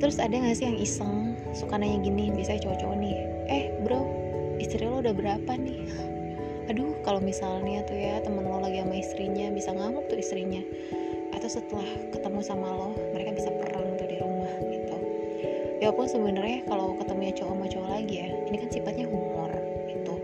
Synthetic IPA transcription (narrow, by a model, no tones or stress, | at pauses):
t̪əɾʊsadaŋasɪjaŋisəŋ | sukanaɲaɡiniaŋbisat͡ʃot͡ʃɔnɪh | ʔɛhbəɾa | ist̪ɾiɲlɔudahbəɾapanɪh | adukalomisalɲat̪ujat̪əmənlɔlaɡiamaist̪ɾiɲabisaŋaŋʊp̚t̪ʊist̪ɾiɲa | ʔat̪awsət̪əlahkət̪əmusamalɔhməɾekabisapəraŋt̪udiɾumahɡit̪u | japʊnsəbənərjakalowkət̪əmuɲat͡ʃoʔmot͡ʃoalaɡija | inikansifat̪̚ɲaɡumʊr | ɡ̥it̪u